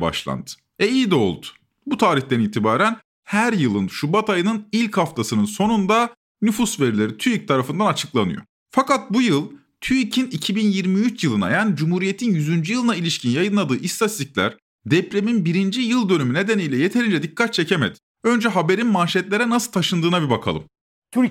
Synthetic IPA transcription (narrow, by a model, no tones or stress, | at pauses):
ba̰ʃlˠa̰nd̪ɯ̥ | ɛijid̪o̞̰lˠd̪ʊ̥ | but̪ʰaːɾiçt̪ʰæniːt̪ʰibaːɾæn | hæɾjɯlˠɯnʃubat̪ʰajɯnɯnilʲchaft̪ʰasɯnɯnso̞nund̪a | nyfusve̞ɾilʲeɾit̪ʰyjic̚t̪ʰaɾafɯnd̪anat͡ʃʰɯklˠanɯ̰jo̰ | fakat̪̚bujɯlˠ | t̪ʰyicʰinicʰibinjiɾmijyt͡ʃʰjɯlˠɯna̰jaːnid͡ʒumhuːɾije̞t̪ʰinjyzynd͡ʒyjɯlˠɯnailʲiʃcʰinjajɯnlˠad̪ɯːʔist̪ʰat̪ziclʲæ̰ɾ̥ | d̪ɛpɾeminbiɾind͡ʒijɯlˠd̪ø̞nymyne̞d̪enijlʲɛje̞t̪ʰe̞ɾind͡ʒɛd̪ikʰːat̪̚t͡ʃʰe̞cemɛd̪ | ø̞nd͡ʒɛɦabe̞ɾinmanʃɛt̪lʲe̞ɾɛnasɯlˠt̪ʰaʃɯnd̪ɯːnabibakʰa̰lˠɯ̰m | t̪ʰ